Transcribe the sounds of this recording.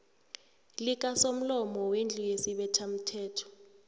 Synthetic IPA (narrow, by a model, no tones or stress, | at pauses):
lik̬ʼasom̩lɔmɔwend͡ɮʱujesiɓɛtʰam̩tʰɛːtʰɔ̥